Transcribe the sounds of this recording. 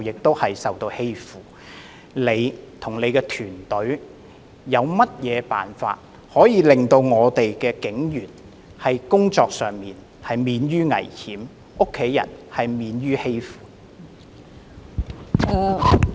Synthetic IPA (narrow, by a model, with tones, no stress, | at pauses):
jɪ˨k̚t̪o˥whɐ˨jsɐ˨wt̪o˧whe˥jfuː˨˩ | le˨˧jt̪ʰʊ˨˩ŋle˨˧jkɛː˧t̪ʰyː˨˩nt̪ɵ˨˥ɥ | jɐ˨˧wmɐ˥t̚jɛː˨˧pa̰ː˨nfa̰ː˧t̚ | hɔː˨˥jiː˨˧lɪ˨ŋt̪o˧wŋɔː˨˧t̪e˨jkɛː˧kɪ˨˥ŋjyː˨˩n | hɐ˨jkʊ˥ŋt͡sɔː˧k̚sœː˨ŋmiː˨n | hɐ˨jmiː˨˧njyː˥ŋɐ̰˨˩jhiː˨˥m | ʔʊ˥kʰːe˨˥jjɐ̰˨˩nhɐ˨jmiː˨˧nɥyː˥he˥jfuː˨˩˨